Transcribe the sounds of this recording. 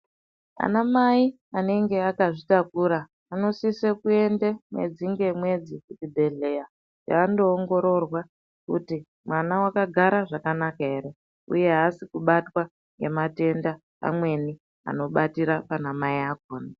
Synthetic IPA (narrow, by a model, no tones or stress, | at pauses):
a̰namai | ane̞ŋɡe̞akaʐitakuːɾaː | no̞sisekue̞ndemwe̞̰d͡ziŋɡe̞mwe̞d͡zikutibʱe̞ɮe̞ja | ja̰ːndo̞ːŋɡo̞ɾo̞rwa | kuti | mwanawakaɡʱaɾaʐakanakae̞ɾe̞ | ṵje̞ɦasikuɓatwa | ŋɡe̞mate̞nda | a̰mwe̞ni | a̰no̞ɓatiɾapanamaiakoːna